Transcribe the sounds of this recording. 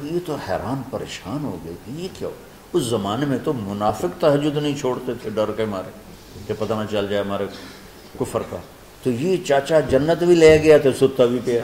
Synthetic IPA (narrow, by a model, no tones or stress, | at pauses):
jet̪ohɛ̰ːɾaːnpɐɾḛːʃaːnɦo̰ːɡɐit̪ʰijekja̰o | ʊszɐmaːnemẽt̪omʊnaːfɪkt̪ɐɦəd͡ʒʊd̪nɐɦĩt͡ʃʰoːɽt̪et̪ʰeɖɐɾkemaːɾe | k̪epɐt̪anat͡ʃɐld͡ʒaːemaːɾe | kʊfəɾka̰ː | t̪ojet͡ʃaːt͡ʃad͡ʒɐnːət̪bʱileːɡɐjat̪ʰesʊt̪ːabʱipea